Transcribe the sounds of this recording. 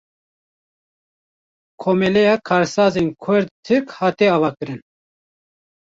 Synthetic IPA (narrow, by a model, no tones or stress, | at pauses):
kʰoːmɛlɛjɑːkʰɑːɾsɑːzenkʰʊɾd̪̚t̪ʰɨkhɑːt̪eɑːvɑːkɨɾɨn